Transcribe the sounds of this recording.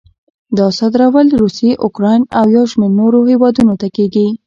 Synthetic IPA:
d̪ɑsɑd̪ɾawəlɾuseʔʊkɾɑjnawjawʃmeɾnoɾohewɑd̪unot̪akeɡi

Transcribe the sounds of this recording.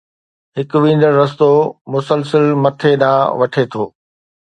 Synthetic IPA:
ɦɪkʊʋĩːn̆d̪əɾːɐs̬t̪omʊsəlsəlmɐt̪ʰeɗã̰ːʋɐʈʰet̪ʰoː

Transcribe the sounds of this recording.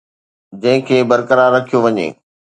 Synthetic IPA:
d͡ʑɐ̃ɦɪ̃kʰeːbɐɾkəɾaːɾːɐkʰijoʋɐɲḛː

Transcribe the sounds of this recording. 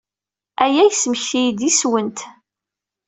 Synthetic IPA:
æjæjəsməçθijd̪iswənt̪

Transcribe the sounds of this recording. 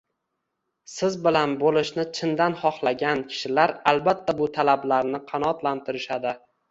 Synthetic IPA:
sɪzbɪlanbolɪʃnɪt͡ʃʰɪnd̪anχɒχlˠaɡʲankʲʰɪ̥ʃɪlaɾalbat̪ʰːabʊt̪ʰalablaɾnɪqʰɑnɒt̪lant̪ʰɪɾɪʃad̪ɪ

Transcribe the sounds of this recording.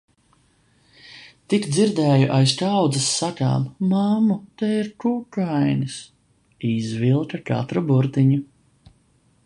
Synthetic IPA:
t̪ikd̪ziɾd̪ɛːjuʔajstawd̪zɐsːaka̰ːmmamut̪ɛiɾkukajnis | izvilˠk̪ɐka̰t̪ɾubuɾt̪iɲu

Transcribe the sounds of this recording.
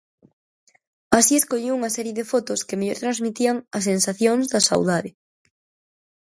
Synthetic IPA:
asieskoʎiwuŋɐsɛɾjeðɪfot̪ʊskemeʎoɾt̪ɾanzmit̪iaŋɐs̬ensaθjoŋzðɐsa̰wðaðɪ

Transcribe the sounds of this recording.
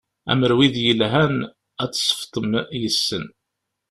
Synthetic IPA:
æ̰məɾwiðjəlɦæn | æt͡sːsˤə̥ft̪ˤəmjəsːən

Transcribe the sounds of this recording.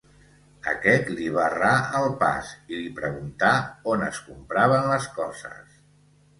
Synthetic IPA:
ə̰kɛt̪liβ̞araəlˠpa̰silipɾəɣunt̪aonə̰skumpɾaβ̞ənləskɔzə̰s

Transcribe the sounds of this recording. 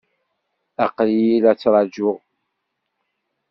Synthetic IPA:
æqljjilæt͡sːɾˤɑd͡ʒʊʁ

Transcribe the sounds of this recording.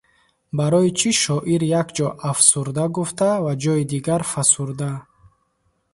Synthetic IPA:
baɾɔit͡ʃʰiʃɔʔiɾjakd͡ʒɔʔafsuɾd̪aɡuft̪ʰavad͡ʒɔid̪iɡaɾfasuɾd̪a

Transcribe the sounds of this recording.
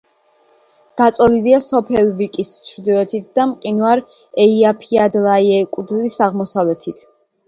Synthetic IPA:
d̪̥at̪sʼɔliliasɔpʰɛlvikʼist͡ʃʰɾd̪ilɛt̪ʰit̪̚ʰd̪amqʼinwaɾ | ɛiapʰiad̪lajɛkʼud̪lisaʁmɔsavlɛt̪ʰit̪ʰ

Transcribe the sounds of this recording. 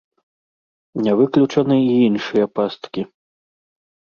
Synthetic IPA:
nʲɛvɨklʲut͡ʂɐnɨiinʂɨjɐpast̪kʲi

